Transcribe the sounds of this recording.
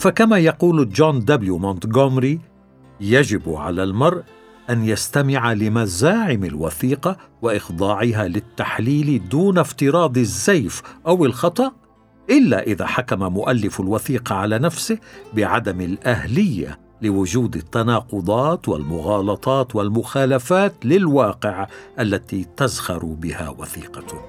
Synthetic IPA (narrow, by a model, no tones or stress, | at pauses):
fakamaːjɑquːld͡ʒoːnd̪abljumont̪ɡomɾi | jad͡ʒɪbʕa̰lalmɑɾˤʔ | ʔanjast̪amɪʕalɪmazaːʕɪmɪlwaθiːqɑwɪʔɪxd̪ˤɑːʕɪɦaːlɪt̪ːaħliːld̪uːnaft̪ɪɾɑːd̪ˤɪzːajfʔawɪlxɑt̪ˤɑʔ | ʔɪlːaʔɪða̰ːħakamamʊʔalːɪfalwaθiːqɑʕalaːnafsɪhbɪʕad̪amɪlʔahlɪjːa̰ | lɪwʊd͡ʒuːd̪ɪt̪ːanɑːqʊd̪ˤɑːt̪wa̰lmʊɣɑːlɑt̪ˤɑːt̪walmʊxaːlafaːt̪lɪlwɑːqɪʕʔalːat̪iːt̪azhɑɾˤbɪha̰wa̰θiːqɑ